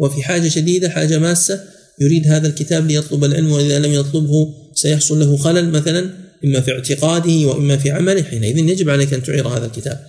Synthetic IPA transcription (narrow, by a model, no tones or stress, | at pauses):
wɪfiħaːd͡ʒaʃad̪iːd̪aħaːd͡ʒamaːsːa | jʊɾiːd̪ɦaːðalkɪt̪aːblɪjɑt̪ˤlʊbalʕɪ̰lmwɪʔɪðalamjɑt̪ˤlʊbhʊ | sajɑħsˤʊnlaɦʊxalalmaθalanʔɪmːafiʕt̪ɪqɑːd̪ɪhɪwaʔɪmːafiːʕamalɪhħiːnaʔɪðɪnjad͡ʒɪbʕalejkʔant̪ʊʕiːɾˤha̰ːðalkɪt̪a̰ːb̚